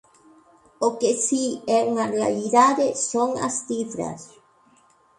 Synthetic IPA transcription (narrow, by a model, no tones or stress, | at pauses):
okesieuŋarea̰liðaðesoŋa̰st̪ifɾa̰s